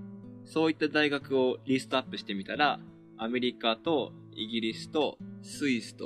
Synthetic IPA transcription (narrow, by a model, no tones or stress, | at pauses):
so̞ːit̪ːad̪aiɡakɯ̟o̞ɾʲisɨ̥t̪oapːɯ̟ɕi̥t̪e̞mʲit̪aɾaː | me̞ɾʲikat̪o̞ | iɡʲiɾʲisɨ̥t̪o̞sɨisɨ̥t̪o̰